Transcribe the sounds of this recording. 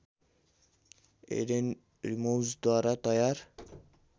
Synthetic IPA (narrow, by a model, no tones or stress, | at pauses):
ḛden | ɾimowzd̪waɾat̪ɔjaɾ